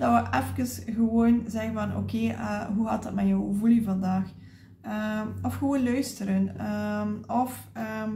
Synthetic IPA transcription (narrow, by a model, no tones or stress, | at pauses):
d̥ɑʋəʔɛfkənsɣəwoːnzɛɣənvɑnʔo̰keːʔəɦuɦɑtdɑtmɛjɔwvulivɑndaːx | əɔfxəʋoːnlœɥstəɾənəɔfəm